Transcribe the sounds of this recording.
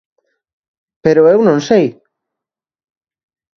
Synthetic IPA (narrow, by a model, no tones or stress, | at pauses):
peɾoewnõnsej